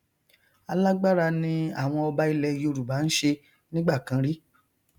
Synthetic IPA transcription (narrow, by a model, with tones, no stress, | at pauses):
a˧la˦ɡ͡ba˦ɾa˧nĩ˧a˦˨w̃ɔ̃˧ɔ˧ba˦i˦˧lɛ˧jo˧ɾu˨ba˨˦n̩˦ʃe˧ | nĩ˦ɡ͡ba˦˨kã˧˦ɾi˦